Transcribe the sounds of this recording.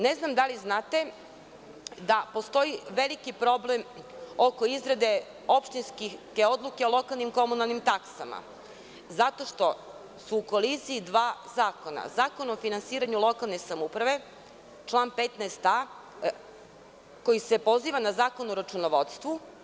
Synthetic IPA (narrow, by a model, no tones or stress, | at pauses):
neznamd̪aliznaːt̪e̞ | d̪apo̞st̪o̞iʋelikipɾo̞blemoko̞izɾed̪e̞ | opʃt̪inskike̞o̞d̪lˠuke̞olˠo̞kalˠnimko̞munalˠnimt̪aksama̰ | zat̪o̞ʃt̪o̞ | suːko̞lisiːd̪ʋaːzaːko̞na̰zaːkonofinansiːɾaɲulˠo̞kalˠne̞samupɾaʋe̞ | t͡ʃlˠaːnpet̪naest̪a | ko̞jisepo̞ziːʋanazaːko̞nuɾat͡ʃunoʋot̪st̪ʋu